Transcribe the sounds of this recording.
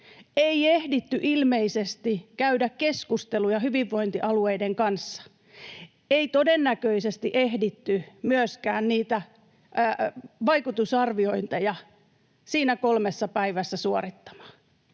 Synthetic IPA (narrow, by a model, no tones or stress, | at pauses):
eiehdit̪ːyʔilmeisest̪ikæydækkeskust̪elujɑhyʋiʋːo̞int̪iʔɑlueideŋkɑnsːɑ̥ | eit̪odenːækøisest̪iʔehdit̪ːymyøskæːnniːt̪æ | ʋɑikut̪usɑrʋio̞int̪ejɑ | siːnækolmesːɑpæiʋæsːæsuorit̪ːɑ̥mɑ̥ː